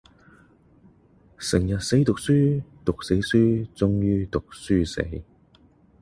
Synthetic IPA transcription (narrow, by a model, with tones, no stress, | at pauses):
sɪ˨˩ŋjɐ˨t̚se˨˥jt̪ʊ˨k̚syː˥t̪ʊ˨k̚se˨˥jsyː˥t͡sʊ˥ŋjyː˥t̪ʊ˨k̚syː˥sḛ˨˥j